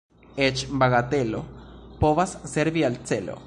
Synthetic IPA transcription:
et͡ʃbaɣat̪e̞lo̞po̞vasːeɾvialt͡se̞lo̞̰

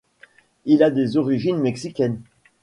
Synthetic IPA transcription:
ilad̪ezɔʁiʒinmɛksikʲɛn

